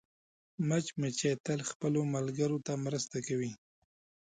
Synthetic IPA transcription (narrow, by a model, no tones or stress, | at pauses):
mat͡ʃmet͡ʃet̪əlxpəlomalɡəɾot̪amɾəst̪akawi